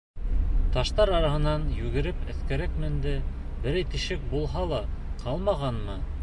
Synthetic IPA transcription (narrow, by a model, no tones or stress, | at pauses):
t̪ɑʃt̪ɑɾɑɾɑɦɤ̆nɑnjʉɡɘ̆ɾɘpɘ̆θkæɾækmɘ̆nd̪ɘ | bɘ̆ɾæjt̪iʃɘk̚bulˠɦɑlˠɑqʰɑlˠmɑʁɑnmɤ